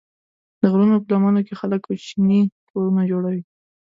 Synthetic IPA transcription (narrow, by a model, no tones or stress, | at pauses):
d̪̥əɣɾunop̬əlamanokexaləkpət͡ʃinikʰoɾunad͡ʒoɽawi